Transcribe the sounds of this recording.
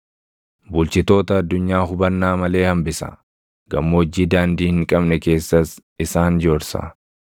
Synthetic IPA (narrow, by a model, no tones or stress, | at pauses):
bʊlt͡ʃɪt̪o̞ːt̪ɐːd̪ːʊɲːaːɦʊbɐnːaːmɐle̞ːhɐmbɪsɐ̰ | ɡɐ̰mːod͡ʒːiːd̪aːnd̪iːhɪŋkʼɐbnɛke̞ːsːɐsɪsaːnd͡ʒoːɾsɐ̰